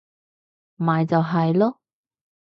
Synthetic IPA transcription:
mmaː˨jt͡sɐ˨wɦɐ˨jlɔː˥

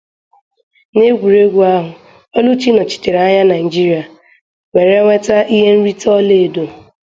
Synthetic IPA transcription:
ne˦ɡʷu˨ɾe˦ɡʷu˨a˦ɦʊ˨ | ɔ˦lu˦t͡ʃi˦nɔ˨t͡ʃi̥˨te˨ɾa˦ɲa˦na˨ɪ˨d͡ʒi˦ɾi˨˦a˨ | ŋʷe˨ɾe˦ŋʷe˦ta˦ʔi˦ɦe˦n̩˦ɾi˦tɔ˦le˦˨do˨

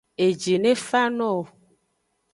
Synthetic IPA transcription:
e˨d͡ʒe˨nẽ˦fa˦nɔ̃˦˨

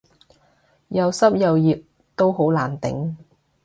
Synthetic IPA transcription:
jɐ˨˧wsɐ˥p̚jɐ˨wjiː˨p̚ | t̪o˥wɦo˨˥wlaː˨˩nt̪ɪ̰˨˥ŋ

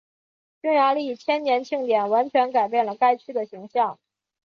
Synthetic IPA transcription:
t͡ɕy˥ŋja˧˥li˥˩˨t͡ɕʰjɛ˥nnjɛ˧˥nt͡ɕʰi˥˩ŋt̪jɛ˨˩nwa˧˥nt͡ɕʰɥɛ˧˥nka˨˩ɪp̬jɛ˥˩nlə˩ka˥ɪt͡ɕʰy˥d̪ə˨ɕi˧˥ŋɕjɑ˥˩ŋ

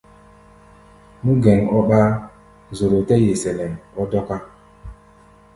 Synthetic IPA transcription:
mu˦ɡɛ˨ŋɔ˦ɓa˦ | zo˨ɾo˨tɛ˦je˨sɛ˨lɛ˨nɔ˦dɔ˦ka˦

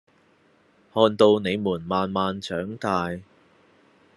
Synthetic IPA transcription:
hɔː˧nt̪o˧wne˨˧jmuː˨˩nmaː˨nmaː˨nt͡ʃʰœː˨˥ŋt̪aː˧j

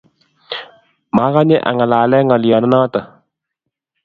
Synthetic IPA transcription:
maː˦ka˦ɲɛ˦ʔa̰˨ŋa˨laː˨lɛ˦ŋɔ˨ljɔ˨nə˦naː˦tə˨

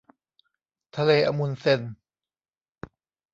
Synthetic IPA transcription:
t̪ʰa˧leː˧˩ʔa˧˨mu˧˨nse˧˥˨n

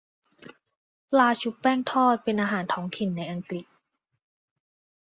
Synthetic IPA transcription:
pʰlaː˧t͡ɕʰu˦˥p̚pɛː˥˩ŋt̪ʰɔː˥˩t̪̚pe˧nʔaː˧ɦaː˩˦nt̪ʰɔː˩˦ŋkʰi˨˩nːa˧jʔa˧ŋkli˨˩k̚

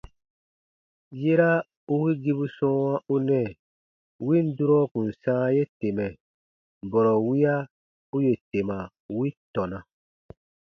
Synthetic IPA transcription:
je˦ɾa˦ | u˦wi˦ɡi˦bu˦sɔ̃ː˦wã˦u˦nɛ˦˨ | wi˦n˦du˦ɾɔ˦kũ˨n̩˨sãː˦je˦te˨mɛ˨ | bɔ˨ɾɔ˨wi˦a˦ | u˦je˨te˨ma˨ | wi˦tɔ˨na˨

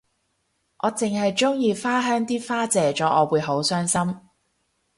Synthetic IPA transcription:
ʔɔː˨˧t͡sɪ˨ŋhɐ˨jt͡sʊ˥ŋjiː˧faː˥ɦœː˥ŋt̪iː˥faː˥t͡sɛː˨˧t͡ʃɔː˨˥ʔɔː˨˧wuː˨˧jɦo˨˥wsœː˥ŋsɐ˥m

